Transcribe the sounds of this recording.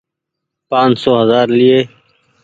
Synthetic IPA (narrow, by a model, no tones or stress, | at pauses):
pãːnsoːɦəzaːɾlɪeː